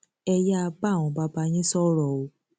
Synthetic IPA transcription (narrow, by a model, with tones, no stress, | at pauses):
ɛ˧ja˦a˧ba˦˨w̃ɔ̃˧ba˧˦ba˧˦j̃ĩ˦sɔ˦ɾɔ˨o˨˦